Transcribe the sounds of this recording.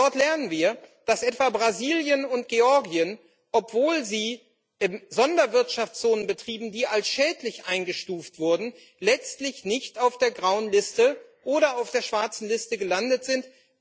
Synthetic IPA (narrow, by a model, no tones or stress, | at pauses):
dɔɐtlɛɐnənviːɐd̥asʔɛtv̥aːbʁaziːljənʊnt̚ɡ̥eɔɐɡiən | ʔɔpv̥oːlziː | ʔɪmzɔndɐvɪɐtʃaft͡sz̥oːnənbətʁ̥iːbm̩diːalsʃɛːtlɪçʔaɪnɡəʃtuːftv̥ʊɐdn̩ | lɛt͡stlɪçnɪçtaʊfd̥eːɐɡʁaʊənlɪstəʔoːɾɐaʊfd̥eːɐʃv̥aɐt͡sn̩lɪstəɡəlandətz̥ɪnt